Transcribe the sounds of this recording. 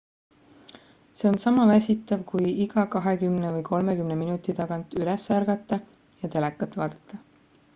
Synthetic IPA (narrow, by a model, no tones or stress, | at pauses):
se̞o̞nsɑmɑvæsʲit̪ːˑɑvkujiɡ̥ɑkɑɦe̞kymnevɤjkʰo̞lmekymne̞minut̪ːˑit̪ɑɡɑnt̪ˑylesːærɡ̥ɑt̪ːˑɑ | jɑt̪e̞lekːˑɑt̪ːˑvɑːd̪̥ɑt̪ːˑɑ